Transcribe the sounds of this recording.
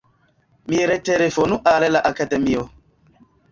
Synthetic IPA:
miɾeteɾefonuʔaɾelaʔakademio

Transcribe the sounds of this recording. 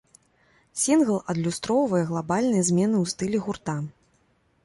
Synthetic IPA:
sʲinɣlˠɐd̪lʲust̪ɾɔwvɐjɛɣlˠabalʲnɨjɐzʲmʲɛnɨwst̪ɨlʲɛɣurt̪a

